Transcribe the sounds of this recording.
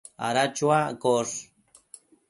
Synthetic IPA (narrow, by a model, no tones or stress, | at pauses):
a̰ɾat͡ʃwakoʂ